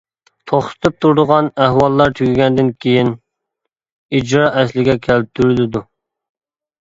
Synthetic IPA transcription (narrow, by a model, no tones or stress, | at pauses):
t̪ʰoχsɨ̥t̪ʰɨp̚t̪ʰuɾd̪ʊʁɑnæhwɑlˠːɑɾt̪ʰykʲiɡʲɛnd̪ɪnkʲʰejin | id͡ʒɾɑʔɛslɪɡʲɛkʲʰæl̚t̪ʰːyɾylɪd̪u